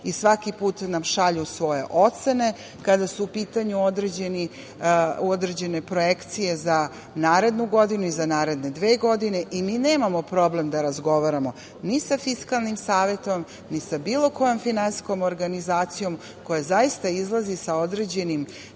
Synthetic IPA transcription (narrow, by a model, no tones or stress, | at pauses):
isʋakipuːt̪namʃaʎusʋo̞je̞̰ʔot̪se̞ne̞ | kad̪asuːpiːt̪aɲuod̪ɾed͡ʑeni | od̪ɾed͡ʑe̞ne̞pɾo̞jekt̪sije̞za | naːɾe̞d̪nuɡo̞d̪inuizanaːɾe̞d̪ne̞d̪ʋeːɡo̞d̪ine̞ʔimiːneːmamo̞pɾo̞ble̞md̪aɾazɡo̞ʋaɾamo̞ | nisafiskalˠnimsaːʋje̞t̪o̞m | nisabiːlˠo̞ko̞jo̞mfinansi̥sko̞moɾɡanizaːt̪sijo̞m | ko̞jazaist̪aizlˠazisao̞d̪ɾe̞d͡ʑe̞nim